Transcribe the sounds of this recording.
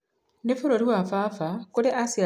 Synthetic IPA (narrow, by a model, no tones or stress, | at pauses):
nefuɾoɾiwafafakuɾeʔasia